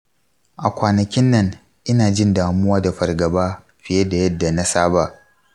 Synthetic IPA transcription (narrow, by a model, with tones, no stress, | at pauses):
ʔa˨kʷaː˨nɐ˨kʲɪ˦nːɐ˦ŋ | ʔɪ˦naː˨d͡ʒɪ˦ndaː˨mʊ˦waː˦da˨ɸɐ˨rɡɐ˨baː˦ | ɸɪ˨je˦da˨jɐ˦dːa˨na˦saː˦ba˨ʔ